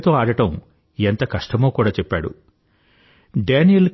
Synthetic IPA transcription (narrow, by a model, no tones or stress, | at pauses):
t̪o̞ːaːɽɐʈɐm | ent̪ɐkɐʂʈɐmoːkuːɽaːt͡ʃɛpːaːɽṵ | ɖeːnijɐl